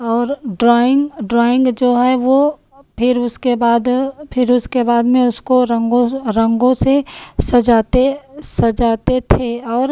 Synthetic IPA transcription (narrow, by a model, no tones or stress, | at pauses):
ɔːɾɖɾaɪ̃ŋɡɖɾɔːɪ̃ŋɡd͡ʒoːɦɛʋo | pʰɪɾʊskebaːd̪pʰɪɾʊskebaːd̪mẽʊskoɾəŋɡõɾɐ̃ŋɡõsesɐd͡ʒaːt̪esɐd͡ʒaːt̪et̪ʰeɔːɾ